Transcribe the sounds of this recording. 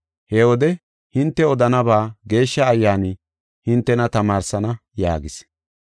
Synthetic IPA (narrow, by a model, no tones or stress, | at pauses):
hɛwɔd̪ɛ | hɪnt̪ːɛɔd̪ɐnɐbaːɡe̞ːʃːɐːjːaːnɪ | hɪnt̪ːɛnɐt̪ɐmaːɾsɐnɐja̰ːɡɪs